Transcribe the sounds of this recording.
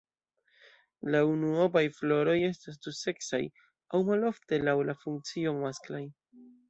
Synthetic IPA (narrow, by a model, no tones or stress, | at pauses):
launuobajflo̞ɾo̞je̞stas̬duse̞ksa̰j | awmalo̞fte̞lawlafuŋk̚t͡sio̞masklaj